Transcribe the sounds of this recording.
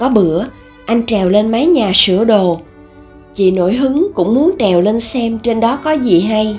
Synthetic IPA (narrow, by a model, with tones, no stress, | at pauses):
kɔ˨˦ɓɨ˧˩˨ə | ʔa˧jŋ̟t͡ɕɛ˨˩wle˧nma˨˦jɲaː˨˩sɨ̰˧˩əɗo˨˩ | t͡ɕḭ˧˨no̰˧˩jɦɨ˨˦ŋkʊ̰˧˥ŋ͡mmu˨˦ənt͡ɕɛ˨˩wle˧nsɛ˧mt͡ɕe˧nɗɔ˨˦kɔ˨˦zi˨˩ɦa˧j